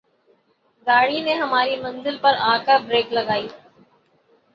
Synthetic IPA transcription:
ɡaːɽineɦɐmaːɾimɐ̃nzɪlpɐɾaːkəɾbɾeːklɐɡaːiː

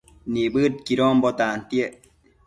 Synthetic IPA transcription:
nibət̚kiɾɔːmbɔtaːntie

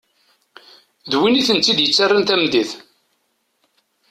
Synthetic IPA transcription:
ðwiniθənt͡s̪ːid̪jət͡sːarˤːant̪æmd̪iθ

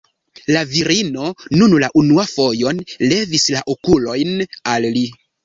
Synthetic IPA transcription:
laviɾino̞nunlaʔunuafo̞jo̞nle̞vislaʔokulo̞jnalli

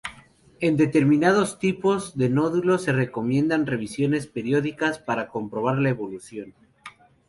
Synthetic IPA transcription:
e̞nd̪e̞t̪e̞ɾmĩnað̞o̞st̪ipozðe̞no̞ðulo̞se̞re̞ko̞mjẽ̞nd̪anre̞βisjo̞ne̞spe̞ɾjo̞ðikaspaɾako̞mpɾo̞β̞aɾlae̞βo̞lusjo̞n

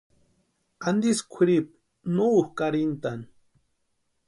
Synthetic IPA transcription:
and̪iskʷʰiɾip̚ | noːhkaɾint̪an

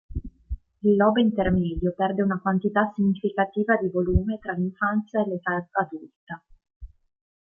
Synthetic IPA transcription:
ilːɔːbint̪ermɛːd̪jopɛrd̪eunakwant̪it̪asːiɲːifikat̪iːvad̪ivoluːmet̪ɾaliɱfant̪sjaelet̪aad̪ult̪a

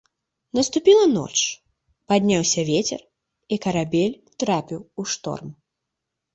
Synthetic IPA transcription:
nɐst̪upʲilˠɐnɔ̰t͡ʂ | pad̪ʲnʲawsʲɐvʲet͡sʲɛ̰r | ikɐɾabʲelʲ | t̪ɾapʲiwuʂt̪ɔ̰rm

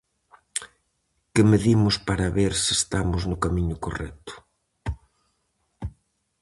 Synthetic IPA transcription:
kɪmeðimʊspaɾɐβeɾsɪst̪amʊznʊkamiɲʊko̰rɛ̰t̪ʊ̥

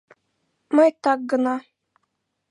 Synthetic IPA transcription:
mɤjt̪ɑk̚ɡɤ̆nɑ

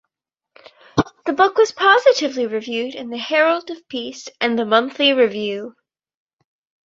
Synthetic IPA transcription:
ðəbʊkwʌz̥pʰɑzɨɾɨvliɹɨvjʉɾɨ̃nðɨhɛɹl̩ˠdʌv̥pʰistɨ̃nðɨmʌ̃nθliɹɨvjʉ

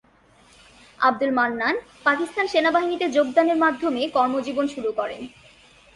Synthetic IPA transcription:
a̰b̚d̪ulmanːan | pakist̪ʰanʃenabaɦinit̪ed͡ʑoɡ̚d̪aneɾmad̪ʱomekɔɾmod͡ʑibonʃuɾukɔɾḛn

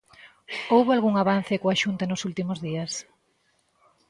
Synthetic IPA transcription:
owβoalɣuŋaβan̟θɪkoaʃunt̪anʊsult̪imʊzðias

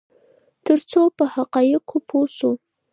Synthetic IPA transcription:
t̪əɾt͡sopəhaqɑjɪqʰopʰosu

